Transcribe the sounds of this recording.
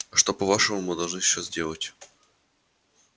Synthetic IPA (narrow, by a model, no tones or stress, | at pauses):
ʂt̪o̞pɐvaʂəmʊmɨd̪ɐlˠʐnɨɕːozʲdʲe̞lˠətʲ